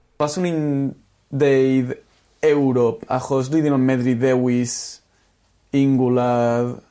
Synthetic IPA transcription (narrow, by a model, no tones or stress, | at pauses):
pasunin | d̪ejð | ewɾopa̰xɔsliðinamɛðɾiðɛwis | iŋɡulað